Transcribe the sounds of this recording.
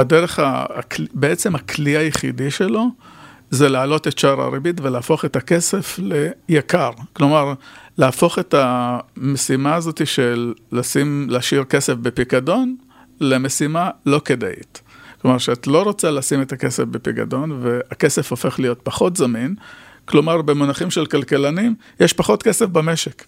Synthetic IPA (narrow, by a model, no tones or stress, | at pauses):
adeʁeχa̰kbeet͡se̞makliajeχḭdiʃelo̞ | zelaːlo̞tetʃaʁa̰ʁibitveleaːfo̞χetake̞se̞fle̞jakaʁklo̞maʁleafo̞χe̞tamesimaːzo̞tiʃelːasimleʃiʁke̞se̞fbepikado̞n | le̞me̞simalo̞keda̰ʔḭtklo̞maʁʃeat̪lo̞ʁo̞t͡salasimetake̞sefbepika̰do̞nve̞ake̞se̞fo̞fe̞χlijo̞tpaχo̞tzamin | klo̞maʁbemonaχimʃe̞lkalkelanim | jeʃpaχo̞tke̞se̞fbame̞ʃe̞k